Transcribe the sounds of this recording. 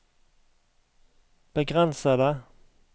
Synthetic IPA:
b̥əɡʁɛnsəd̪ə

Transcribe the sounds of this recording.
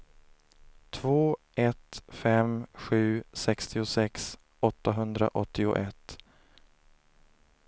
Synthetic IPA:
t̪ʰvoːʔɛt̪fɛmɧʉ̟ːsɛkst̪ʰɪʊsɛks | ɔt̪ːaɦɵnd̪ɾa̰ʔɔt̪ʰːɪʊ̰ʔɛt̪

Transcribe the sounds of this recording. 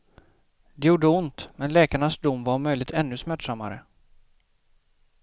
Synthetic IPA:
d̪ɛjuːɖəʊnt̪mɛnlɛːkaɳasd̪ʊmːvaɾmœjlɪt̪ɛnːɵsmæʈːʂamːa̰ɾə̰

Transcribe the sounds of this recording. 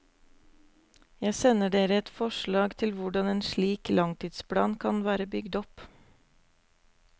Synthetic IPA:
jæɪsɛnəɖeːɾəɛt̪fɔʃɭɑːɡt̪ʰɪlʋʊɖɑneːnʃɭiːklɑŋt̪ʰiːd̪spʰɽɑ̰ːnkʰɑnʋæːɾəbʏɡd̪ɔp

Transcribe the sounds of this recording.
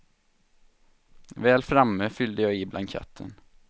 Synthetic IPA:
ʋeːlfɾɑməfʏld̪əjɑːiːblʔɑŋkʰɛ̰t̪ʰə̰n

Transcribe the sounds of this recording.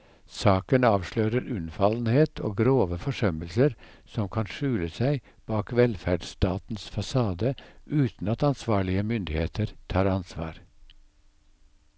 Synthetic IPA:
sɑːkənɑːʋʃløːɾəɾʉnfɑln̩heːt̪ʰo̰ːɡɾoːʋəfɔʂœməlsəɾsɔmkʰɑnʃʉːləsæɪ | b̥ɑːkʋɛlfæɖst̪ɑːt̪n̩sfɑsɑːd̪əʔʉːt̪n̩ɑt̪ɑnsʋɑːɭɪəmʏnd̪ɪheːt̪ʰəɾt̪ʰɑːɾɑnsʋɑ̰ːɾ

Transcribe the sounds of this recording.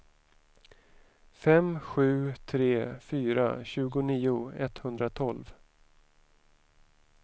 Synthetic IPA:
fɛmɧʉ̟ːt̪ʰɾeːfyːɾa̰ɕʉ̟ːɡʊniːʊɛt̪hɵnd̪ɾat̪ʰɔlv

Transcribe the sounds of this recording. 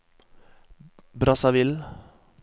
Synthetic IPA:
bɾɑsɑʋɪl

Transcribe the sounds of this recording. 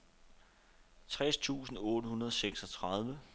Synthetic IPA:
t͡sʰʁɛst͡sʰṵːsn̩ɔ̽ːɾəɦunɐð̞ˠɒ̽seɡ̥sɒ̽t͡sʰʁɑð̞ˠʋə

